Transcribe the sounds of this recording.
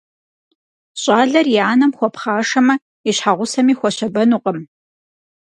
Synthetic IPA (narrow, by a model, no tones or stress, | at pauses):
ɕʼaːɮɐrjiaːnɐmxʷɔpχaːʂɐmɐ | iɕħaʁʷʊsɐmiːxʷɔɕɐbɐnuːqʼəm